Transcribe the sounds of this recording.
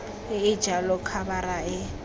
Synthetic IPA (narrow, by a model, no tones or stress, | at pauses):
ɪɪ̥d͡ʒalɔkʰabaɾaɪ